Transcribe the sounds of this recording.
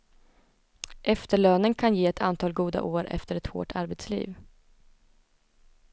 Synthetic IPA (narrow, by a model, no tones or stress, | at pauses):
ʔɛft̪əɭøːnənkʰanjeːɛt̪ʰant̪ʰɑːlɡuːd̪a̰ʔoːɾʔɛ̰ft̪əɾɛt̪ho̰ːʈʰaɾbɛt̪slḭːv